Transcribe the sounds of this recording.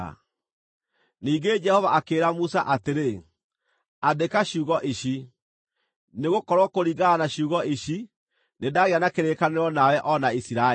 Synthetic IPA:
niːɡed͡ʒɛhɔvaakeːɾamusaʔateɾe | adekaɕuːɣɔʔiɕi | neɣokɔɾwɔkoɾiɡaanaɕuːɣɔʔiɕi | nedaɣeanakeɾeːkaneɾɔnawɛʔɔnaisiɾa

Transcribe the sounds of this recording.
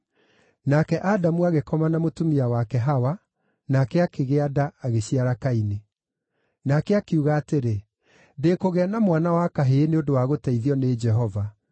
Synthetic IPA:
nakɛʔadamuaɣekɔmanamotomiawakɛɦawa | nakɛakeɣeadaːɣeɕiaɾakaine | nakɛakeuɣaːteɾe | dekoɣeanamwanawakaɦeːneondowaɣotɛiðiɔned͡ʒɛɦɔva

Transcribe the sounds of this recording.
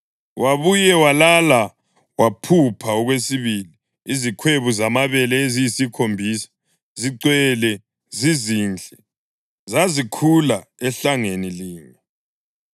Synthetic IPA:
wʔaβujɛwalala | wapʰupʰaɔɣwesiβili | izikʰweβuzamaβɛlɛezijisikʰombʱiːsḁ | ziǀwɛlɛ | ziziːnd͡ɮʱɛ | zazikʰulaɛɬaŋeniliːŋɛ

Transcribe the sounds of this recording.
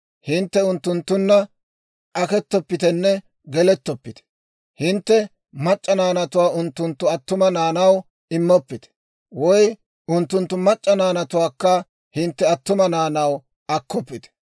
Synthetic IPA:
hɪnt̪ːɛʊnt̪ːʊnt̪ːʊnːɐ | ʔɐkɛt̪ːɔpːɪt̪ɛnːɛ | ɡɛlɛt̪ːɔpːɪt̪ɛ̥ | hɪnt̪ːɛ | mɐt͡ʃʼːɐnaːnɐt̪ʊwaːʔʊnt̪ːʊnt̪ːʊɐt̪ːʊmɐnaːnɐw | ɪmːɔpːɪt̪ɛ̥ | wɔj | ʊnt̪ːʊnt̪ːʊmɐt͡ʃʼːɐnaːnɐt̪ʊwaːkːɐ | hɪnt̪ːɛɐt̪ːʊmɐnaːnɐw | ɐkːɔpːɪt̪ɛ̥

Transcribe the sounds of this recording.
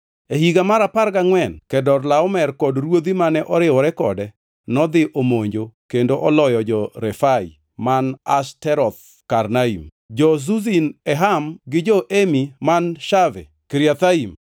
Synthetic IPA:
ehiɡamaɾapaɾɡaŋwɛnkɛdɔɾlaɔmɛrkɔdɾwod̪imanɛʔɔɾɪɔɾɛkɔ̰dɛ | nɔd̪ɪʔomoɲd͡ʒokendoʔɔlɔjɔd͡ʒɔɾɛfaḭ | manastɛɾɔt̪̚ | kaɾnaḭm | d͡ʒɔs̬uzinɛɦamɡɪd͡ʒɔʔemimanʃavɛ̰ | kiɾjat̪aim

